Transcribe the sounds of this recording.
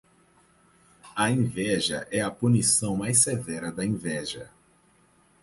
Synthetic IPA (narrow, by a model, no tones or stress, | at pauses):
ɐẽvɛʒɐʔɛɐpunisɐ̃w̃majs̬evɛɾɐd̪ɐẽvɛʒɐ